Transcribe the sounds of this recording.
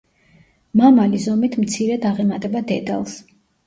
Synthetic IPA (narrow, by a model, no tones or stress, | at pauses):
mamalizɔmit̪ʰmt̪sʰiɾɛd̪aʁɛmat̪ʼɛbad̪ɛd̪a̰lˠs